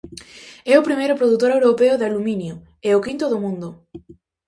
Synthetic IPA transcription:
ɛʊpɾimejɾʊpɾoðut̪oɾewɾopeʊðɪaluminjʊ | eʊkint̪ʊðʊmũnd̪ʊ

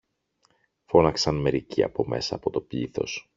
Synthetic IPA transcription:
fo̞nɐksɐnme̞ɾiciɐ̰po̞me̞sɐːpo̞t̪o̞pʎḭθo̞̰s

